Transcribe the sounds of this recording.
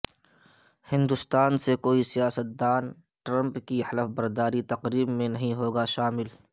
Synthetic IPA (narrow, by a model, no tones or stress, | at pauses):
hɪ̃nd̪ʊst̪aːnsekoːisijaːsət̪̚d̪aːn | ʈɾɐ̃mpkihɐləfbɐɾd̪aːɾit̪ɐqɾiːbmẽnɐɦĩɦoːɡaʃaːmɪl